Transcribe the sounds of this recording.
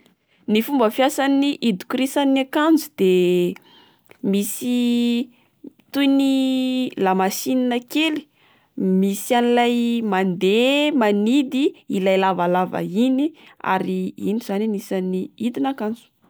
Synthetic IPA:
nifumbəfiasaniʔid̪u̥kɾisaniakand͡zud̪̥e | misi | t̪ujnilamasininəkeli̥ | misianilajmand̪emanid̪iilajlavalavə̰inia̰ɾiiniz̥aninisaniid̪inakand͡zu̥

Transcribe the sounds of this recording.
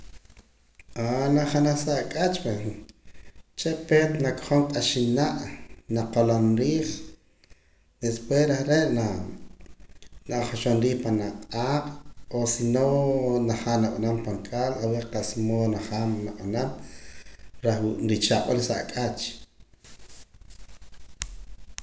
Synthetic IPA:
anaχanaχsaʔkʼat͡ʃpe | t͡ʃeʔpet̪nakʼχoŋkʼaʃinaʔnaqolonɾiːχ | d̪espwesɾeχɾeʔna | naχaʃonɾiːχpanaʔqʼaːqʼosinonaχaːnaɓanampaŋkʼaːlaweqasmonaχaːmnaɓanam | ɾaχwuʔɾit͡ʃaɓalsa̰ʔkʼat͡ʃ

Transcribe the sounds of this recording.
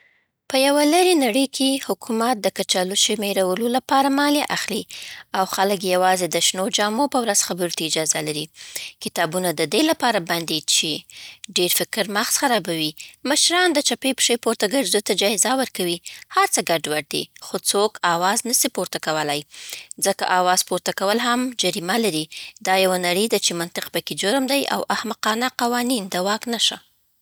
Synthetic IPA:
pəjawaləɾenaɽəjkʰehʊkumat̪̚d̪əkat͡ʃaluʃemeɾawəlolapɑɾamɑleʔaxliawxalək̬jawɑzed̪əʃnod͡ʒɑmopəwɾaz̥xabəɾut̪aɪd͡ʒɑzalaɾikɪt̪ɑbunad̪əd̪elapɑɾaband̪et͡ʃeɖeɾfɪkɾmaxsxaɾɑbawimaʃɾɑnd̪ət͡ʃapepə̥ʃepoɾt̪aɡəɾzd̪ujt̪ad͡ʒɑɪzawəɾkawihaɾt͡səɡaɖwaɖ̚d̪ḛxot͡sokɑwɑznəsipoɾt̪akawəlajzəka̰ʔɑwɑzpoɾt̪akawəlɦamd͡ʒaɾimalaɾid̪ɑjawanaɽəjd̪at͡ʃemant̪ɪq̚pəked͡ʒʊɾmd̪ajʔa̰wʔahmaqɑnaqawɑnind̪awɑknaʃa̰

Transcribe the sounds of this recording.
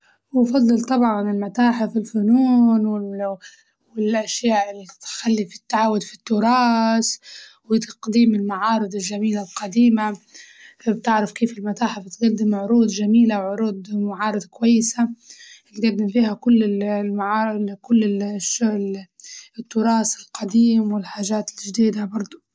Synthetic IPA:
wfɑd̪ˤːɨlt̪ˤɑbʕɑnɪlmat̪aːħɪfɪlfʊnuːnwɪ | ɪlʔaʃjaːʔɪlt̪xalːifi̥t̪ːaʕaːwːʊd̪fi̥t̪ːʊɾˤɑːswɪt̪ɑ̥qd̪iːmɪlmaʕɑːɾˤɨd̪ˤɪlʒamiːlalqɑd̪iːma | bt̪ɪʕɾɑfkeːfɪlmat̪aːħabɪt̪ɡad̪ːɪmʕʊɾuːd̪ʒamiːlawʕʊɾuːd̪maʕɑːɾˤɨd̪kʊwajːɪsaɪɡad̪ːɪmfiːhakʊlːɪmaʕaːkʊlːɪʃːʊl | ɪt̪ːʊɾˤɑːsɪlqɑd̪iːmwɪlħaːʒaːt̪ɪlʒd̪iːd̪abɑɾˤd̪ˤʊ

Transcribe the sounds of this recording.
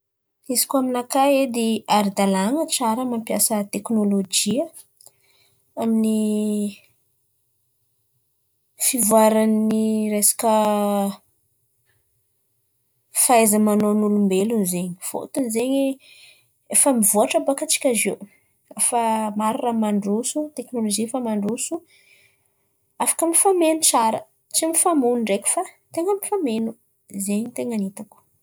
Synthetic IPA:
izi̥kʲaminakaed̪eaɾid̪alaŋət͡saɾəmampjasət̪eknolod͡ʒiə | amini | fivuaɾanniresḁkə | faezəmanonulumbelunzeɲifo̰t̪unzeɲi | efəmivuaʈ͡ʂabakat͡si̥kʲazew | efamaɾuramaɳɖ͡ʐusut̪eknoloʒifamaɳɖ͡ʐusu | afḁkəmifamenut͡saɾə̰ | t͡simifamunɳɖ͡ʐekʲu̥fat̪eŋəmifamenu | zeɲit̪eŋanit̪aku̥

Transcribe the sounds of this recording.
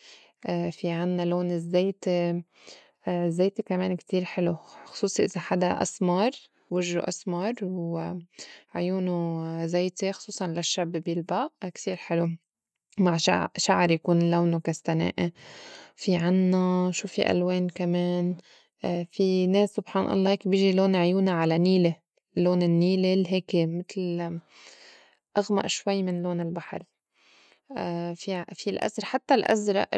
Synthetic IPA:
ʔfiʕanːaloːnɪzːeːt̪e | zːeːt̪ekameːnkt̪iːɾħɪluxʊ̥sˤuːsˤiʔɪzaħad̪aʔa̰smɑɾˤ | wɪʒːṵʔasmɑɾˤw | ʕʊjuːnuzeːt̪exʊ̥sˤuːsˤɑnlaʃːabːbjɪlbaʔkt̪iːɾħɪlu | maʕʃaʃaʕɾjakuːnlawnukast̪anḛːʔe | fiʕanːaʃuːfiʔa̰lweːnkameːn | fineːsːʊbħɑːnʔɑ̰lˤːɑːheːkbjɪʒiloːnʕjuːnaʕalaniːle | loːnɪnːiːlelɦeːkemɪt̪l | ʔaɣma̰ʔʃwajːmɪnloːnɪlbaħɑ̰ɾˤ | fifilʔa̰zɾˤɑħat̪ːalʔa̰zɾˤɑ̰ʔ

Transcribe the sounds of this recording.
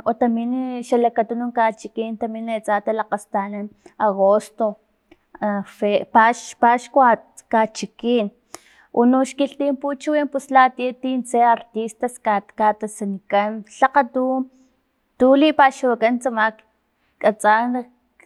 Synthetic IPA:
ot̪aminʃalakat̪unuŋkat͡ʃikint̪aminet͡sat̪alaqast̪ananaɣost̪o | fepaʃpaʃkwakat͡ʃikiːn | ṵnuʃkiɬt̪imput͡ʃuwimpuslat̪iat̪int͡seaɾt̪ist̪askakat̪asanikanɬaqat̪u | t̪ulipaːʃuwakant͡samak | kʼat͡san

